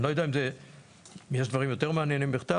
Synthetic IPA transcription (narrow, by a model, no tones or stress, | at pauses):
lojd̪aimze | jeʃd̪vaʁimjo̞t̪eʁmeanjenimbiχt̪a